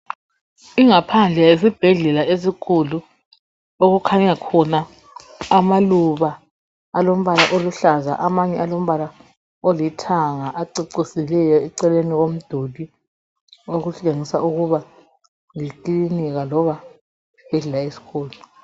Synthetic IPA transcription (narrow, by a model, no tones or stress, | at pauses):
iŋapʰand͡ɮʱɛes̬ib̥ʱɛɮɛlaes̬ikʰulu | oɣukʰaɲakʰɔnaː | maluβaː | lom̩βalaʔoluɬaza̰ʔamaɲɛalom̩βala | olitʰaŋaʔaǀiǀisilɛjɔɛǀɛleniɣom̩d̥ʱodʱi | oɣuɬeŋisa̰uɣuβa | ŋiǃiiniɣalɔβḁ | b̥ʱɛɮɛlaesi̥kʰoːlu